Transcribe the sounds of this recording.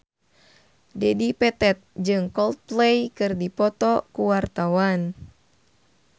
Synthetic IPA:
dɛdipɛt̪ɛt̪̚d͡ʒɨŋkɔlt̪̚plɛjkɨrdipɔt̪ɔkuwart̪awan

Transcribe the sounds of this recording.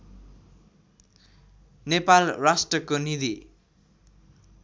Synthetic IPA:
nepalrasʈʌkonid̪i

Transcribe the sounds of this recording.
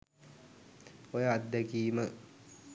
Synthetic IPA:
ojəad̪ːəkiːmə

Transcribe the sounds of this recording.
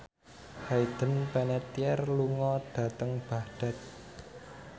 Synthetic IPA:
hajd̪̥ə̤npɛnɛt̪iɛrluŋɔɖ̥ä̤t̪əŋb̥a̤hɖ̥a̤t̪̚

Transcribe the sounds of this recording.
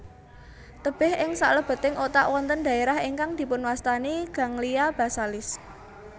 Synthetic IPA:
t̪əb̥ɛɦʔɪŋsa̰ʔləb̥ə̤t̪ɪŋʔot̪a̰ʔwɔnt̪ənd̪̥ä̤eɾahiŋkaŋd̪̥i̤pʊnwast̪aniɡ̥ä̤ŋlijab̥a̤salɪs

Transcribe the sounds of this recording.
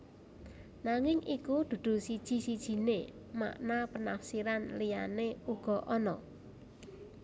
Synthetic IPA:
naŋɪŋʔikud̪̥ṳd̪̥ṳsid̥ʒ̥i̤sid̥ʒ̥i̤ne | ma̰ʔnapənafsiɾanlijaneuɡ̥ɔ̤ʔɔnɔ

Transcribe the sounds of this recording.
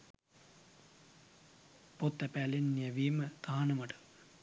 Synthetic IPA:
pot̪ːæpæːlenːiəʋiːmət̪aːnɐməʈə̥

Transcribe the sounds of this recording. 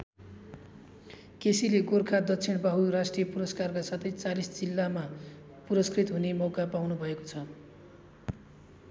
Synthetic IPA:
kesileɡorkʰad̪ʌtt͡sʰiɳbaɦurasʈrijʌpuɾʌskarkasat̪ʰʌjt͡salisd͡zilːama | puɾʌskrit̪ɦunemʌwkapawnubʱʌekot͡sʰʌ

